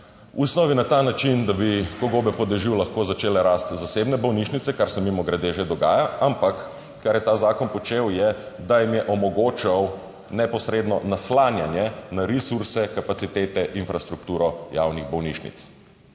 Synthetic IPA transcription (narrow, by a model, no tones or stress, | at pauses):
usnɔʋinat̪aːnat͡ʃind̪abikɔɡoːbɛpɔd̪ɛʒiwlaxkoːzat͡ʃeːlɛɾaːst̪zaseːbnɛbɔwniʃnit̪sɛkaɾsɛmimɔɡɾɛd̪eːʒed̪ɔɡa̰ːjaampakː | aɾjɛt̪aːzaːkɔnpɔt͡ʃewjɛd̪ajimjɛʔɔmɔɡoːt͡ʃaw | nɛpɔsɾeːd̪nɔnaslaːnjanjɛnaɾisuɾsɛkapat̪sit̪eːt̪ɛʔinfɾast̪ɾuk̚t̪uːɾɔja̰wniɣbɔwniʃnḭt̪s